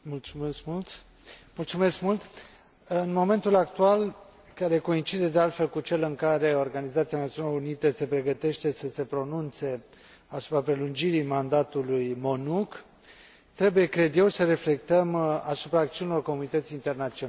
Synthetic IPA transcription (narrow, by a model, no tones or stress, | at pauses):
mulusult̪ | mult̪sume̞skmult̪ | ɨnmo̞me̞nt̪ulakt̪ual | kaɾe̞ko̞int͡ʃid̪e̞d̪e̞alt̪fe̞lkut͡ʃe̞lɨŋkaɾe̞o̞rɡanizat̪sianat̪ionalounit̪ese̞pɾe̞ɡət̪e̞ʃt̪e̞səse̞pɾo̞nunt̪se̞ | asu̥pɾapɾe̞lund͡ʒiɾimand̪at̪ulujmo̞nuk | t̪ɾe̞buje̞kɾe̞d̪je̞wsəɾe̞fle̞kt̪əmasupɾaːk̚t̪siunilorko̞munit̪ət̪siːnt̪ernat̪sio